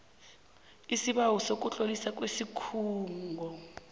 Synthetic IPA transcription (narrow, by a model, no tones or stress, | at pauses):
isiɓawusok̬ʼuɬʼolisak̬ʼwesikʰuːŋɡʱɔ